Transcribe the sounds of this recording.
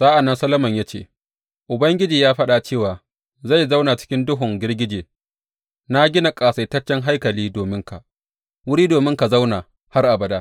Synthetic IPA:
saː˦ʔa˨nːɐ˦nsɐ˦lɐ˦mɐ˨ɲjaː˦t͡ʃḛː˦˨ | ʔʊ˨bɐ˦ŋɡʲɪ˦d͡ʒiː˨jaː˦ɸɐ˦ɗa˨t͡ʃeː˦˨waː˨ | za˦˨jza˦wna˨t͡ʃɪ̥˦kʲɪ˦ndʊ˦ɦʊ˨ŋɡʲɪ˦rɡʲɪ˦d͡ʒeː˨ | na˦ɡʲɪ˦na˨kʼaː˨sa˨jtɐ˦t͡ʃːɛ˦ŋɦa˦jkɐ˨liː˦doː˨mɪ˦ŋka˨ʔ | wʊ˦ɽiː˦doː˨mɪ˦ŋka˨za˦wna˨ | ha˦rʔa˨bɐ˨daː˦

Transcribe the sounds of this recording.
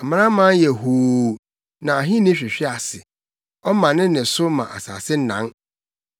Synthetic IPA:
m̩˨m̃˦ã˦mã˦jɛ˨ɦoː˨ | nã˨a˨ɦĩ˦nɪ̃˦ɕᶣɪ˨ɕᶣɪ˦a˨sɪ˨ | ɔ˦mã˨nɪ̃˦nɪ̃˨sʊ˦mã̰˨ʔa˨sa̰ː˨sɪ˦n̩˦nã̰˦ŋ

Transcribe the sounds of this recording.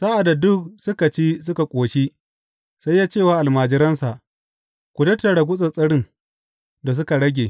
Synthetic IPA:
saː˦ʔa˨da˨dʊ˦k̚sʊ˦ka˨t͡ʃiː˦sʊ˦ka˨kʷʼoː˨ʃi˦ | sa˦jːaː˦t͡ʃeː˦˨waː˨ʔa˨lmaː˨d͡ʒɪ˦ɾɐ˦nsa˨ʔ | kʷu˨tɐ˦tːɐ˨ɽa˨ɡʷʊ˦sʼɐ˨sʼɐ˦ɽɪ˦ŋ | da˨s̬ʊ˦ka˨ɽɐ˦ɡʲeː˨

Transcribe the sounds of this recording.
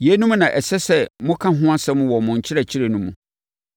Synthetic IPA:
je˨˦nũ˦m̃˦nã˨ʔɛ˨sɛ˦sɛ˦mʊ̃˦kʰã˦ɦʊ̃˦a˦sɛ̃˦mʊ̃˦wɔ˨mʊ̃˨ɲ̩˨t͡ɕʰɪ˦ɾɛ˨t͡ɕʰɪ˦ɾe˨nũ˦mṵ̃˨

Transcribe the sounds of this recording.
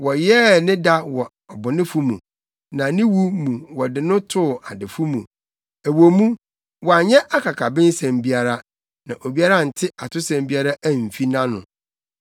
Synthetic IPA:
wɔ˨jɛ˦nɪ̃˦da˦wɔ˨ | ɔ˨bʊ˨nɪ̃˦fu˦mṵ̃˨ | nã˨nɪ̃˦wu˦mũ˨wɔ˨dɪ˨nʊ̃˦tʰʊ˦˨a˨dɪ˨fu˦mũ˨ | æ˨wo˨mũ˦ | wɔ˨a˨ɲɛ̃˦ʔa˦kʰa˨kʰa˨bɪ̃˦n˦sɛ̃˨mbi˦a˨ɾa˦ | nã˨ʔo˨bi˦a˦ɾa˦˨n̩˨tʰɪ˦ʔa˨tʰʊ˦sɛ̃˨mbi˦a˦ɾa˦ʔæ˦m̩˨fi˦nã˦nʊ̰̃˨

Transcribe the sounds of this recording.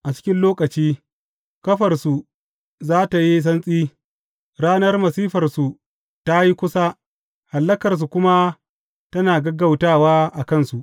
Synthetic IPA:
ʔa˨t͡ʃɪ̥˦kʲɪ˦nloː˦kɐ˨t͡ʃiː˦ | kɐ˦ɸɐ˨rsu˨ | zaː˦ta˨ji˦s̬ɐ˦nsʼiː˦ | ɽaː˦nɐ˦rmɐ˨siː˦ɸɐ˨rsu˨ | ta˦ji˦kʷʊ˦sa˦ | ha˨lːɐ˦kɐ˨rs̬u˨kʷʊ˦ma˦ | tɐ˦naː˨ɡɐ˦ɡɐ˦˨wtaː˦waː˦ʔa˨kɐ˦˨nsu˨ʔ

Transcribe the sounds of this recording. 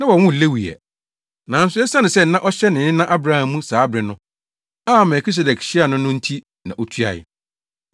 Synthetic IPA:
nã˦wɔ˨wʊ̃˦˨le˦wi˨ɛ̰˨ | nã˨˦n̩˦sʊ˦ɛ˦sa˦nɪ̃˨sɛ˦n̩˦nã˦ʔɔ˦ɕɛ˦nɪ̃˨nɪ̃˦nã˦ʔa˦bɾa˦hã˨mũ˦saː˨˦bɾɪ˨nʊ̃˦ | a˦mɛ˨kʰi˦s̬ɛ˨dɛ˨kɕi˦a˨nʊ̃˦nʊ̃˦n̩˦tʰi˦ | nã̰˨ʔɔ˦tʰɥa̰˨ɪ̰˨

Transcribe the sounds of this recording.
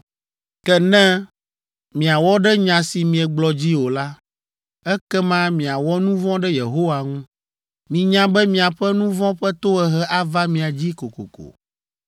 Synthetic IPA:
kɛ˦nɛ̃˦ | mĩ˨a˨wɔ˦ɖɛ˦ɲã˨si˨mĩ˨ɛ˨ɡ͡blɔ˨d͡ʑi˦wo˨la˦ | ɛ˦kɛ˦mã˦mĩ˨a˨wɔ˦nũ˦vɔ̃˦ɖɛ˦je˨ɦo˦wa˨ŋũ˦ | mĩ˨ɲã˦bɛ˦mĩ˨a˨ɸɛ˦nũ˦vɔ̃˦ɸɛ˦t̪o˦ɛ˨ɦɛ˦ʔa˦va˦mĩ˨a˨d͡ʑi˦ko˨ko̰˨ko̰˨

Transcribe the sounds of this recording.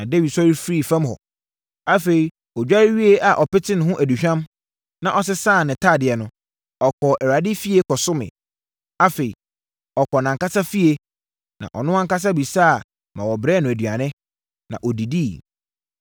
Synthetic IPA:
nã˨de˦wi˨dsɔ˦ɾi˦fɾi˦˨fã˦mɦɔ̰˨ | a˦fe˨ɾi˨ | ɔ˨d͡ʑᶣa˦ɥi˦e˦ʔa˨ʔɔ˨pɪ˦tʰɪ̃˦n˨ɦʊ̃˦ʔæ˨du˨ɕᶣã˦m | nã˨ʔɔ˦s̬ɪ˦saː˦˨nɪ̃˨tʰaː˦˨dɪ˨ɛ˨nʊ̃˦ | ɔ˨kʰɔ˨ʔɛ˨ɾa˨dɪ˦fi˦e˦kʰɔ˨sʊ˦mɪ̰̃˨ | a˦fe˨i˨ | ɔ˨kʰɔ˨nã˨ŋka˦sa˦fi˦e˦ | nã̰˨ʔɔ̰˨nʊ̃˦a˦ŋ˦ka˦s̬a˦bi˨saː˦a˨ | mã˨wɔ˨bɾɛː˦nʊ̃˨æ˨dɥa˨nɪ̃˦ | nã̰˨ʔɔ˨di˨di˦˨

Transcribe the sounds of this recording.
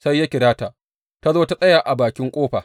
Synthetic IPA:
sa˦jːa˦kʲɪ˨ɽaː˦ta˨ | ta˦zoː˦ta˦sʼɐ˦jaː˨ʔa˨baː˨kʲɪ˦ŋkʷʼoː˦ɸaː˨

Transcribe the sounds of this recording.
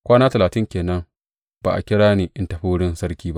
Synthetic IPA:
kʷaː˦naː˦tɐ˨laː˨tɪ˦ŋkʲeː˨nɐ˦ŋ | ba̰ː˨ʔa̰˨kʲɪ˦ɽaː˦niː˨ʔɪ˦nta˨ɸu˦ɽɪ˦nsɐ˦rkʲiː˦ba˦ʔ

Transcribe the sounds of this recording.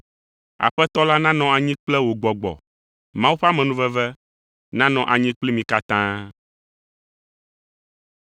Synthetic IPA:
a̰˨ɸɛ˦t̪ɔ˦la˦nã˦nɔ̃˨a˨ɲĩ˦k͡plɛ˦wo˨ɡ͡bɔ˨ɡ͡bɔ̰˨ | mã˦wu˦ɸa˦mɛ̃˨nũ˦vɛ˦vɛ˦ | nã˦nɔ̃˨ʔa˨ɲĩ˦k͡pli˦mĩ˨ka˦t̪ã˦

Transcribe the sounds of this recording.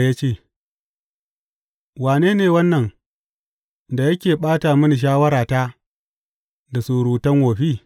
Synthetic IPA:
ja˦t͡ʃeː˦˨ | waː˨neː˦neː˨wɐ˦nːɐ˨ŋ | da˨jɐ˦kʲeː˨ɓaː˦ta˨mɪ˦ni˨ʃ̬aː˦wɐ˦ɾaː˨ta˦ | da˨suː˨ɾuː˨tɐ˦ŋwoː˨ɸiː˦

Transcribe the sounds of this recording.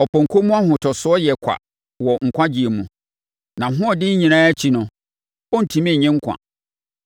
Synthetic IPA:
ɔ˨pʰɔ̃˨ŋ̩˨kʰo˦mũ˦a˦hʊ̃˨tʰɔ˨sʊ˨˦ɔ˦jɛ˨kʷʰa̰˨ | wɔ˨ŋ̩˨kʷʰã˦d͡ʑi˨e˨mũ˨ | nã˨ɦʊ̃˦ɔ˨dɪ˦ɲ̩˦ɲĩ˨nãː˦t͡ɕʰi˨nʊ̃˨ | ɔ˦n̩˨tʰĩ˨mĩ˦˨ɲɪ̃˦ŋ̩˦kʰʷã̰˨

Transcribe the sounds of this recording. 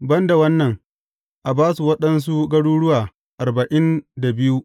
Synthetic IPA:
bɐ˦nda˨wɐ˦nːɐ˨ŋ | ʔa˨baː˦su˨wɐ˦ɗɐ˦ns̬u˦ɡɐ˦ɽuː˦ɽʊ˦waː˨ | ʔa˨rba˨ʔɪ˦nda˨bɪ˦ju˦

